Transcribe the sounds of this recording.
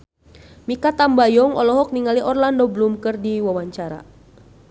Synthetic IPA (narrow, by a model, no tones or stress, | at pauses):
mikat̪ambajɔŋɔ̰lɔɦɔk̚niŋaliʔɔrlandɔblumkɨrdiwawaɲt͡ʃaɾa̰